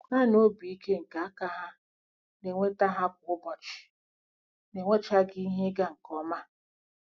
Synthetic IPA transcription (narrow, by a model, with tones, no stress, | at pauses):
na˦˨no˦bi˨i˦ke˦ŋ̩˨ka˨a˦ka˦ɦa˦ | ne˨ŋʷe˦ta˦ɦa˦k̚ʷʊ˦bɔ˨t͡ʃɪ̥˨ | ne˨ŋʷe˦t͡ʃa˦ɡi˦i˦ɦe˦ɡa˦ŋ̩˨kɔ˦ma˦